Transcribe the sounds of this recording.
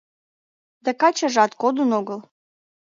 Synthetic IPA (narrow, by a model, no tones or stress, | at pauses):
d̪ækɑt͡ɕəʒɑt̪kod̪unoɣəl